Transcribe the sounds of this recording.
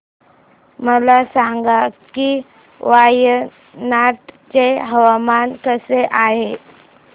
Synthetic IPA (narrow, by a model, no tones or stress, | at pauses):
məlasaŋɡaki | ʋajə | naʈt͡seɦəʋamankəseʔaɦe